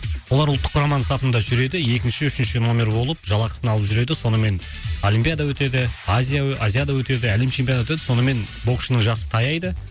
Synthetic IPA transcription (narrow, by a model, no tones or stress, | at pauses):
wo̞lˠɑɾʊlˠt̪ːə̥qʰːɾɑmɑnəsɑpənd̪ɑʒʏɾe̞d̪ɪje̞kʲɪnʃɪʏʃɪnʃɪno̞mʲe̞ɾbo̞lˠəp̚ʒɑlˠɑqə̥sənɑlˠəpʒʏɾe̞d̪ɪso̞nəme̞n | o̞lʲimpʲijad̪ɑwɵt̪e̞d̪ɪazʲijaazʲijad̪ɑwɵt̪e̞d̪ɪæle̞mt͡ʃʰempʲjont̪e̞d̪ɪso̞nəme̞n | bo̞kʃənəŋʒɑsə̥t̪ʰɑjɑjd̪ə